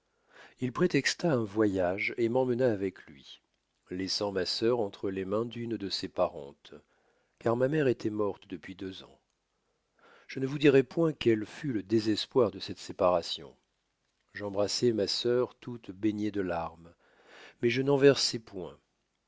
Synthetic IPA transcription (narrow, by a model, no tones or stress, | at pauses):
ilpχet̪ɛkst̪aɛ̃vwajaʒemɑ̃mənaːvɛklɥi | lɛsɑ̃masœʁɑ̃t̪χəlemɛ̃d̪ynd̪əsepaʁɑ̰̃t̪ | kaʁmamɛʁet̪ʰɛmɔʁt̪d̪əpɥid̪øzɑ̰̃ | ʒ̥ənəvud̪iʁɛpwɛ̃kɛlfyləd̪ezɛspwaʁd̪əsɛt̪sepaʁasjɔ̰̃ | ʒɑ̃bʁasɛmasœʁt̪ut̪beɲed̪əlaʁm | mɛʒənɑ̃vɛʁsɛpwɛ̰̃